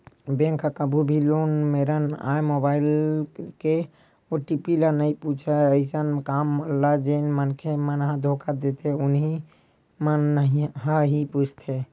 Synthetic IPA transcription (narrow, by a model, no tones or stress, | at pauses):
bẽːŋkakəbʱubʱiloːnmeɾəna̰ːjmobaːɪlke | oʈipilanəɦĩput͡ʃʰaəɪsənkaːməlad͡ʒenmənkʰemənɦãd̪ʱokad̪et̪eʊnɦi | mənːəɦiɦəɦiput͡ʃʰt̪ʰe